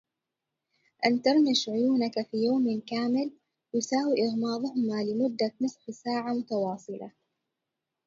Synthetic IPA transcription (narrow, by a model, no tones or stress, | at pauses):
ʔant̪ɑɾˤmɪʃʕʊjuːnakafiːjawmɪnkaːmɪl | jɪsaːwiʔɪɣmɑːðˤʊhʊmalɪmʊd̪ːamʊsˤħsaːʕamʊt̪ɑwɑːsˤɨlɑ̰